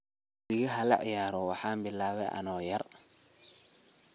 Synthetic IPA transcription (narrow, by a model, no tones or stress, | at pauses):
ɪɣiɦɐlɐ̰ʔjaːɾɔwɑħaːmbɪlːaːβɛʔɐ̰nɔːjɐɾ